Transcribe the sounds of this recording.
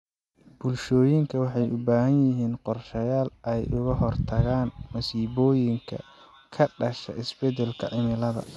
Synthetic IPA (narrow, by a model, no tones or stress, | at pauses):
b̥ʊlʃɔːjɪŋkʰɐwɑħɑjʔʊbaːɦɐnjɪɦiːnqɔrʃɐjaːlɛjʔʊɣɐɦɔrt̪ʰɐɣaːnmɐsiːβɔːjɪŋkʰɐ̰ | kʰɐɖɐʃɐ̰ʔɪsbɛd̪ɛlkʰɐ̰ʕɪmɪlɐðɐ̰